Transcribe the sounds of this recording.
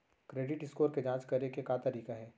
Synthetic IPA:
kɾeːɖɪʈɪskoːɾked͡ʒãːt͡ʃkɐɾekekaːt̪ɐɾiːkaɦɛː

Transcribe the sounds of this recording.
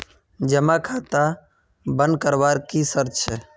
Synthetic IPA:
d͡ʒəmakʰat̪a | bə̃nd̪̚kəɾbaɾkisəɾt͡ʃʰɛ

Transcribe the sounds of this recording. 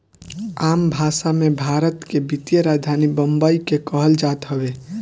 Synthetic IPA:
aːmbʱasamẽbʱaːɾət̪kebit̪jəɾad̪ʱanibəmbəikekəɦəld͡ʒat̪ɦəbe

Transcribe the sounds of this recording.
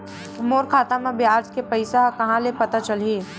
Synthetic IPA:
moːɾkʰaːt̪ãmẽbjaːd͡ʒkepɐɪsaɦkɐɦãlepɐt̪at͡ʃɐlie

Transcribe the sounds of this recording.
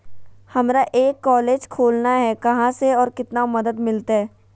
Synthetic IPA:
hɐmɾaʔeːkːɔːleːd͡ʒkʰoːlnaɦɛkɐɦãseɔːɾkɪt̪namɐd̪əd̪mɪlt̪aɦɛː

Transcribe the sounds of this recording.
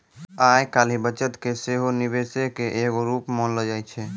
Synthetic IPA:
ajkaːlibət͡ʃət̪keseɦonibesekeʔeːkoɾuːpmonləd͡ʒajt͡ʃʰɛ

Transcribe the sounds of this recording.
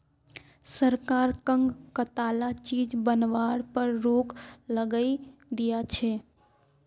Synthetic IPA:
səɾkaːɾkəŋɡkət̪alat͡ʃiːd͡ʒbənʋaːɽpəɾɾoːkləɡəid̪ijat͡ʃʰe

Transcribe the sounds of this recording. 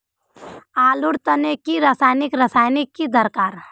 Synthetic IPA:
aːlʊɽt̪ɐnekiɾɐsaːjnɪkɾɐsaːjnɪkːid̪ɐɾkaːɾ

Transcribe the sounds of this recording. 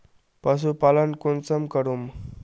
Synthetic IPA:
pas̬upalənkunt͡səmkəɾum

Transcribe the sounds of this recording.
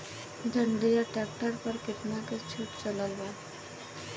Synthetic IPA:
d̪ʱəɳɖijaʈɛːk̚ʈəɾpəɾkɪʈnaket͡ʃʰuːʈt͡ʃəlalʋa

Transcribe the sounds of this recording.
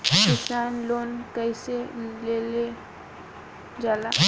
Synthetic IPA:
kɪsaːnloːnkəɪselele | d͡ʒaːla

